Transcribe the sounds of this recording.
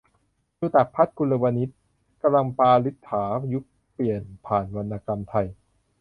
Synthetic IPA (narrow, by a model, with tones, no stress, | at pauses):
juː˧t̪a˨˩k̚pʰa˦˥t̪̚kʰu˧nla˧wa˧ni˦˥t̪̚ | ka˧mla˧ŋpaː˧li˦˥t̪ʰːaː˩˦ju˦˥k̚ | pli˨˩ənpʰaː˨˩nwa˧nːaː˧ka˧mt̪ʰa˧j